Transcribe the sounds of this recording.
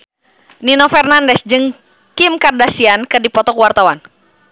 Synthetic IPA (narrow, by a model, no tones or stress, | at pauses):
ninɔfɛrnandɛsd͡ʒɨŋ | kimkardasiankɨdipɔt̪ɔkwart̪awan